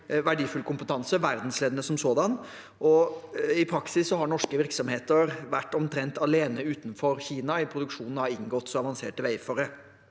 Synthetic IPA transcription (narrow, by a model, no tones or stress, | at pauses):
ʋæɖiːfʉlkʰʊmpət̪ʰɑnsəʋæɾd̪n̩sleːd̪ənəsɔmsoːd̪ɑn | ʔɔɪpʰɾɑksɪsːɔɦɑɳɔʂkəʋɪɾksɔmheːt̪əɾʋæʈːɔmt̪ʰɾɛnt̪ɑleːnəʉːt̪n̩fɔɾçiːnɑɪpʰɾʊd̪ʉkʂuːnn̩hɑɪŋɡɔt̪ːsɔɑʋɑnsḛːʈəʋæɪfɔɾə